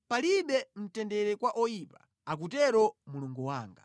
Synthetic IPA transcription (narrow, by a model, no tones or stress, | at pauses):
paliɗɛm̩tɛndɛɾɛkwaʔɔjipa | ak̬utɛɾɔmuluŋɡuwaːŋɡa̰